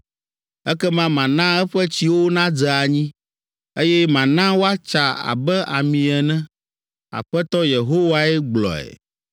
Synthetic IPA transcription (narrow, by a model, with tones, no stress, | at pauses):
ɛ˦kɛ˦mã˦mã˨nã˦ɛ˦ɸɛ˦t͡ɕi˦wo˦nã˦d͡zɛ˨a˨ɲĩ˦ | e˦jɛ˦mã˨nã˦wo˦a˦t͡ʃa˨a̰˨bɛ˦ʔa̰˨mĩ˨ɛ˨nɛ̃˦ | a̰˨ɸɛ˦t̪ɔ˦je˨ɦo˦wa˦ɛ˦ɡ͡blɔ̰˨ɛ̰˨